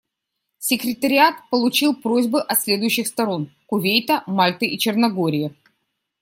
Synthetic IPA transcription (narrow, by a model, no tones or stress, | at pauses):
sʲɪkɾʲɪt̪əɾʲɪat̪pəlˠʊt͡ɕilˠpɾozʲbɨʔɐt̪sʲlʲe̞d̪ʊjʉɕːɪxst̪ɐɾo̞nkʊvʲejt̪əmalʲt̪ɨʔit͡ɕɪrnɐɡo̞ɾʲɪjɪ